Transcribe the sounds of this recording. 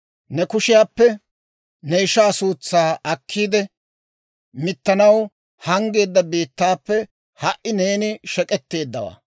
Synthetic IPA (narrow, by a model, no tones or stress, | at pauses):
nɛkʊʃɪjaːpːɛ | nɛɪʃaːsuːt͡sːaːɐkʰːiːd̪ɛ | mɪt̪ːɐnɐw | hɐŋɡe̞ːd̪ːɐbiːt̪ːaːpːɛ | hɐʔʔɪneːnɪʃɛkʼɛt̪ːe̞ːd̪ːɐ̰wa̰ː